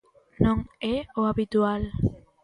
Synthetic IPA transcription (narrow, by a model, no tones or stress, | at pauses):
nõŋeoaβit̪ual